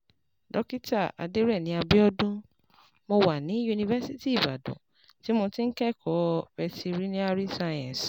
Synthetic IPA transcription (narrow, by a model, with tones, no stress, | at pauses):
dɔ˦ki˦ta˦˨a̰˨de˦ɾɛ˦˨nĩ˨a˧bi˦ɔ˦dũ˦ | mo˧wa˨nĩ˨˦ju˧ni˧vɛ˦si˦ti˦i˨ba̰˨dɔ̰̃˨ | ti˦mõ˧tĩ˦n̩˦kɛ˦˨kʰɔ˨˦fɛ˧si˧ɾi˦nĩ˦a˧ɾi˦sã˧ã˨s